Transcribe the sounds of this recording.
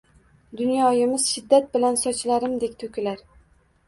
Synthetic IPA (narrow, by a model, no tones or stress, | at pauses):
d̪ʊnjɒjɪmɪz̥ʃɪd̪ːat̪̚bɪlansɒt͡ʃlaɾɪmd̪e̞kʲt̪ʰʊkʲʰɪlaɾ